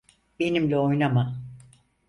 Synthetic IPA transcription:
be̞nimlʲɛojnama

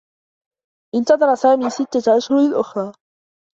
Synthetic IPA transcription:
ʔɪnt̪ɑd̪ˤɑɾˤɑsaːmiːsɪt̪ːaʔaʃhʊɾɪlʔʊxɾˤɑː

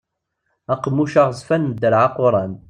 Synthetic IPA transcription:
æqmːuʃaʁəzˤfænd̪əɾʕaqʊɾˤɑn

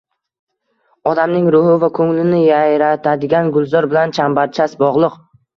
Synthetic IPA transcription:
ɒd̪amnɪŋɾʊhɪvakʰɵŋlɪnɪjajɾat̪ʰad̪ɪɡʲanɡʊlˠzɒɾbɪlant͡ʃʰambaɾt͡ʃʰasbɒʁlˠɨq

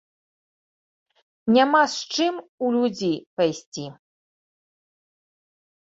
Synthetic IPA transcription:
nʲamast͡ʂɨmulʲud͡zʲejpajsʲt͡sʲi

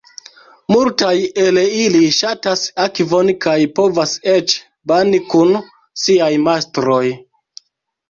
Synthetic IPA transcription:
multajeliliʃatasakivo̞nkajpo̞vase̞t͡ʃ | banikun | siajmastɾo̞j

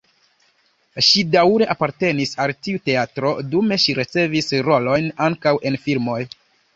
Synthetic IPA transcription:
ʃidawɾe̞ʔapaɾte̞nisaltiute̞atɾo̞dume̞ʃiɾet͡se̞visɾo̞lo̞jnaŋkawʔe̞nfilmo̞j

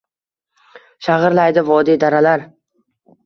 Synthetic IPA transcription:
ʃaʁɨɾlajd̪ɪvɒd̪id̪aɾalaɾ

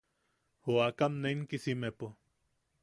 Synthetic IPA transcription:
hoakamneiŋkisimepo

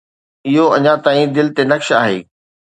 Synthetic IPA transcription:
ɪɦoɐɲãt̪aːĩd̪ɪlt̪enɐkʃaːɦḛː

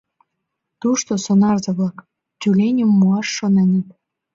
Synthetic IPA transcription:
t̪uʃt̪osonɑrzɤ̆βlɑk | t̪ʲylʲenʲumːuɑʃːonə̆nʲit̪

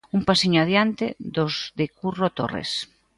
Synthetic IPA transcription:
umpasiɲoaðjant̪ḛðozðekurot̪o̰rḛs

